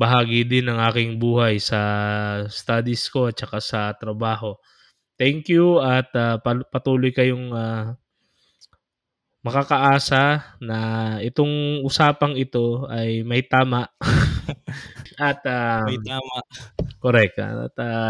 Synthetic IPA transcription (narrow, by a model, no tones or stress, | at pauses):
bɐɦaːɡɪd̪ɪnɐŋʔaːkɪŋbuːhɐjsɐ | st̪aːd̪ɪsko̞t̪̚t͡ʃɐkasɐt̪ɾɐbaːɦo̞ | t̪ɛŋkjuɐt̪appɐt̪uːlojkɐjoŋa | mɐkakɐʔaːsɐnɐʔɛt̪o̞ŋʔʊsaːpɐŋɪt̪o̞ɐjmɐjt̪aːmɐʔ | ʔɐt̪a | koɾɛk̚t̪ɐ̰t̪a